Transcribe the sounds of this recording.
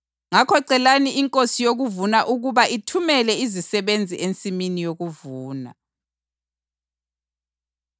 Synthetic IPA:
ŋakʰɔǀɛlaniiŋkʼosijoɣuvunaʔuɣuβaʔitʰumɛlɛizisɛβend͡zʱiʔent͡sʼiminijoɣuvuːna̰

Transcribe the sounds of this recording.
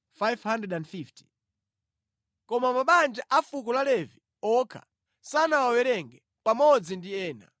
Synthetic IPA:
fajvhandrɛdandfifti̥ | kɔmamaɓand͡ʒaʔafukɔlalɛvi | ɔkʰa̰ | sanawawɛɾɛŋɡɛ | pamɔd͡zindiɛːna̰

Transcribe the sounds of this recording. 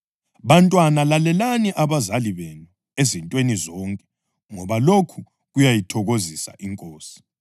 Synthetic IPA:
βantʼwanalalɛlaniʔaβazaliβɛnu | ezintʼwenizɔːŋkʼɛ | ŋɔβalokʰu | ɣujajitʰɔɣozisa̰ʔiŋkʼoːsi̥

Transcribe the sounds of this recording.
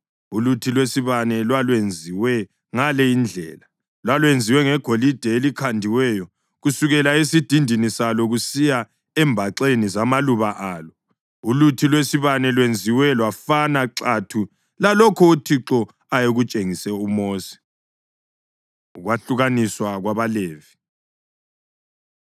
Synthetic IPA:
ulutʰilwesiβanɛlwalwend͡zʱiwɛ | ŋalɛind͡ɮʱɛ̰ːla | lwalwend͡zʱiwɛŋɛɡ̥ʱolid̥ʱɛelikʰandʱiwɛjɔ | ɣusuɣɛlaesid̥ʱindʱinisalɔɣusija | ɛmbʱaǁenizamaluβaʔaːlɔ | ulutʰilwesiβanɛlwend͡zʱiwɛlwafanaǁatʰu | lalɔkʰɔutʰiǁɔ | ajeɣut͡ʃʼeŋisɛumoːsi̥ | ɣwaɬuɣaniswaɣwaβaleːvi

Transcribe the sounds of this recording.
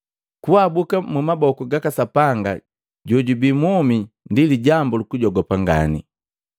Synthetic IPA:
kuabukamumabɔkuɡakasapaŋɡa | ɟɔɟubimɔmi | ndiliɟambɔlukuɟɔɡɔpaŋɡa̰nḭ

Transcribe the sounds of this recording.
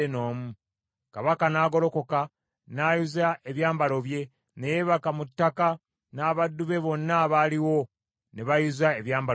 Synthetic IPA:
eno̞ːmu | kaβakanaːɡo̞lo̞ko̞ka | naːjuzae̞βjaːmbalo̞βje̞ | ne̞je̞βakamutːaka | naːβadːuβe̞βo̞nːaβaːliwo̞ | ne̞βajuzaeβjaːmba

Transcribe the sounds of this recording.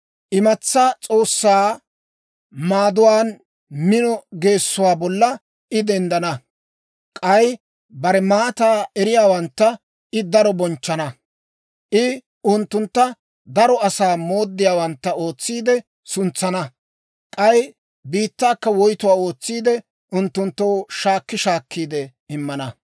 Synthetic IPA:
ʔɪmɐt͡sːɐt͡sʼo̞ːsːaː | maːd̪ʊwaːn | mɪnɔɡe̞ːsːʊwaːbɔlːɐ | ʔɪd̪ɛnd̪ɐnɐ | kʼɐj | bɐɾɛmaːt̪aːɛɾɪjaːwɐnt̪ːɐ | ɪd̪ɐɾɔbɔnt͡ʃːɐnɐ | ʔɪ | ʊnt̪ːʊnt̪ːɐ | d̪ɐɾɔɐsaːmo̞ːd̪ːɪjaːwɐnt̪ːɐo̞ːt͡sːiːd̪ɛ | sʊnt͡sːɐnɐ | kʼɐj | biːt̪ːaːkːɐwɔjt̪ʊwaːo̞ːt͡sːiːd̪ɛ | ʊnt̪ːʊnt̪ːowʃaːkːɪʃaːkːiːd̪ɛ | ɪmːɐnɐ

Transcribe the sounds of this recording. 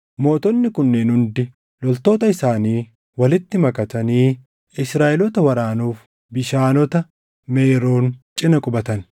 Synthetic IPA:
mo̞ːt̪ɔnːɪkʊnːeːnhʊnd̪ɪ | lɔlt̪o̞ːt̪ɐɪsaːniː | wɐlɪt̪ːɪmɐkʼɐt̪ɐniː | ɪsɾaːʔɛlɔt̪ɐwɐɾaːnuːf | bɪʃaːnɔt̪ɐ | meːɾo̞ːnt͡ʃʼɪnɐkʼʊbɐt̪ɐn

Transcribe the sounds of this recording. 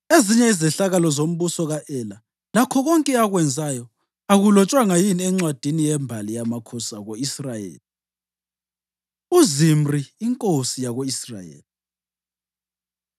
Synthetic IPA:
eziɲɛizɛɬaɣalɔzom̩βusɔɣaʔɛla | lakʰɔɣɔŋkʼɛaɣwɛnd͡zʱajɔ | aɣulɔt͡ʃʼwaŋajiniɛŋ͡ǀwad̥ʱinijɛmbʱalijamakʰɔsaɣoisrajḛːli | uzim̩riːŋkʼosijaɣoisra̰jḛːli

